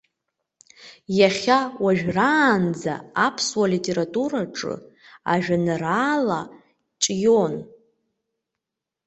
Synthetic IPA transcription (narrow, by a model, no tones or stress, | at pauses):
jaχʲawaʒᶣraːnd͡za̰apʰswalitʼe̞ɾatʼuɾaʈ͡ʂʼɨ̰ | a̰ʒᶣanraːla | t͡ʃʼjon